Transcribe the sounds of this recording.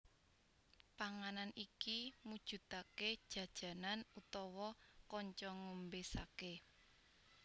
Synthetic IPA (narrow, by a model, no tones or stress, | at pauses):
paŋananikimud̥ʒ̥ṳt̪aked̥ʒ̥ä̤d̥ʒ̥ä̤nanut̪ɔwɔkɔɲt͡ʃɔŋombesake